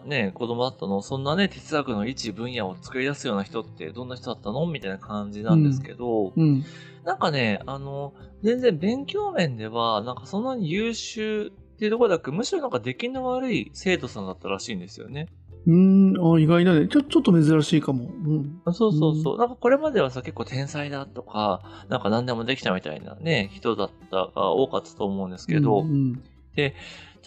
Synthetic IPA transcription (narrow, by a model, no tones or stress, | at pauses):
ne̞ko̞d̪o̞mo̞d̪at̪ːano̞sõ̞nːane̞t̪ʰe̞̥t͡sɨakɯ̟no̞it͡ɕibɯ̟̃ɰ̃jao̞t͡sɨ̥kɯ̟ɾʲid̪asɨjo̞ːnaçi̥t̪o̞t̪ːe̞̰d̪õ̞nːaçi̥t̪od̪at̪ːano̞mʲit̪ainakãɲd͡ʑinãnd̪e̞ske̞d̪õ̞ | nãŋkane̞ano̞d͡zẽ̞nd͡zẽ̞mbẽ̞ŋkʲo̞ːmẽ̞nd̪e̞β̞anãŋkasõ̞nːaɲ̟ijɯːɕɨː | t̪ːeiɯ̟t̪okooakemɯ̟ɕiɾo̞nãŋkad̪e̞kʲinoβaɾɯ̟ise̞ːt̪o̞sãnd̪at̪ːaɾaɕiːnd̪e̞sɨjo̞̰ne̞ | ɯ̟̃aːiɡainanet͡ɕot͡ɕot̪ːome̞zɨɾaɕiːkamo̞ɯ̟̃ɴso̞ːso̞ːso̰ːnãŋkako̞ɾe̞mad̪e̞β̞asake̞kːo̞ːt̪ẽ̞ɰ̃said̪at̪o̞kanãŋkanãnd̪e̞mo̞d̪e̞kʲit̪amʲit̪a̰ḭna̰ne̞çi̥t̪o̞d̪at̪ːa̰ɡ̥a̰o̞̰ːkat̪ːḁt̪o̞ːmo̞ɯ̟̃nd̪e̞sɨ̥ke̞d̪o̞ | d̪̥e̞